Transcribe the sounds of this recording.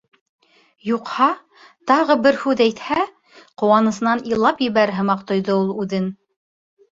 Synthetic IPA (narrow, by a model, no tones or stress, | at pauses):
juqhɑ | t̪ɑʁɤbɘɾhʉðæjt̪hæ | qŏwɑnɤ̆sɤ̆nɑnilˠːɑpjɘ̆βæɾɦɤ̆mɑqt̪ŏjðɤulˠʉðɘn